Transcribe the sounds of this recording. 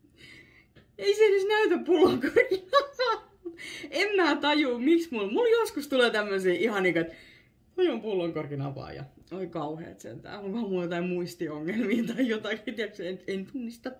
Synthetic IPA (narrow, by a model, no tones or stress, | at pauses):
eisenysnæyt̪æppulːoŋkorkiɑɑ | uemmæːt̪ɑjuːmiksmulmuljoskust̪uleːt̪æmːøsiːʔihɑniːkoet̪ | t̪ɑjompulːoŋkorkinɑ̰pɑ̰ːjɑ̰ | olikɑuhḛːt̪sḛnt̪æ̰ːkoŋkɑmuljot̪ɑimuist̪ioŋːelmiːt̪ɑijot̪ɑkit̪iækseeint̪unːist̪ɑ